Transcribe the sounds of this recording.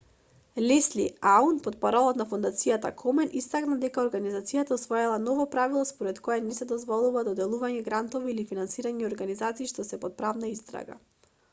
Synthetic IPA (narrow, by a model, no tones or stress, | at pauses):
lɛsliaunpɔt̪̚paɾɔlˠɔt̪nafund̪at̪sijat̪a̰kʰɔmɛnist̪aknad̪ɛkaɔɾɡanizat̪sijat̪ausvɔjɛlˠanɔvɔpɾavilˠɔspɔɾɛt̪kɔjɛnɛsɛd̪ɔzvɔlˠuvad̪ɔd̪ɛlˠuvaɲɛɡɾant̪ɔviːlifinansiɾaɲɛɔɾɡanizat̪siːʃt̪ɔsɛpɔt̪̚pɾavnaist̪ɾa̰ɡa̰